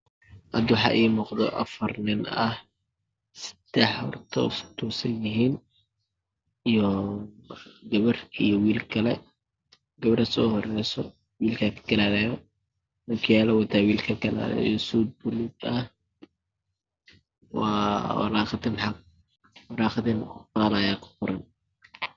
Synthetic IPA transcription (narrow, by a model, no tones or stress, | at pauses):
ʔɐd̪wɑħɑ̰ʔiːmʊqd̪ɔ̰ʔɐ̰fɐrnɪnɐh | sɐ̥d̪̥ɛħhɔ̰rt̪ʰɔ̰sʊ̥t̪ʰuːsɐjɪɦiːn | ijɔ | ɡɐβɐrijɔwiːlkʰɐlɛ | ɡɐβɐɾɐsɔːhɔrɛjsɔ | wiːlkʰakʰɐ̥ɡɐlaːɾɛjɔ | nɐkʰʊjaːlɐwɐt̪ʰawiːlkʰɐɡɐla̰ːɾɛ̰jɔsud̪̚bʊlɪd̪ɐh | wɑ̰ːwɐ̰ɾaːχt̪ɪnħaɡ | wɐɾaːχd̪ɪnfaːlɐjaːkʰʊ̥fʊɾɐn